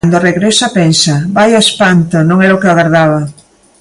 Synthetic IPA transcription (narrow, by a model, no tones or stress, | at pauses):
nd̪oreɣɾɛsapɛnsabajaespant̪onõŋɛɾokeaɣaɾðaβɐ